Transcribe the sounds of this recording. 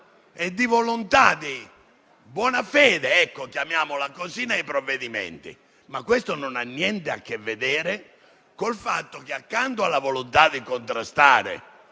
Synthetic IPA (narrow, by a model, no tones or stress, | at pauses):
ɛd̪ːivolont̪aði | bwɔːnafɛːðɛɛkːokjamjaːmolakoziːnaipɾovːeðimɛ̰nt̪ḭ | makːwest̪onɔnanːjɛnt̪ɛa̰kːevːeðɛːɾɛ | kolfa̰t̪ːok̟eakːant̪oalːavolont̪ad̪ikont̪ɾast̪aːɾɛ̰